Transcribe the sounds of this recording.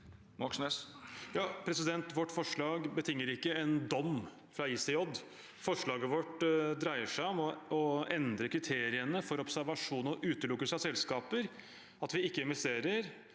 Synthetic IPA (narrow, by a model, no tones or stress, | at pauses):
mɑksnɛsjɑːpʰɾɛsɪd̪ɛnt̪ʋɔʈːfɔʂɭɑːɡbət̪ʰɪŋːəɾɪkːəɛnd̪ɔm | fɾɑisɪɔd̪ː | fɔʂɭɑːɡəʋɔʈd̪ɾæɪəʂæɪɔmɔɔɛnd̪ɾəkʰɾɪt̪ʰeːɾɪənəfɔɾɔpsæɾʋɑʂuːnɔʔʉːt̪əlʊkːəsɑsɛlskɑːpəɾ | ɑt̪ʋɪɪkːəɪnʋɛst̪eːɾəɾ